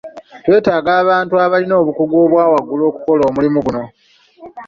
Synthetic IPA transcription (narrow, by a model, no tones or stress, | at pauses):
twe̞ːtaːɡaːβaːntuaβalino̞ːβukuɡo̞ːβwaːwaɡːulo̞ːku̥ko̞lo̞ːmulimuɡuno̞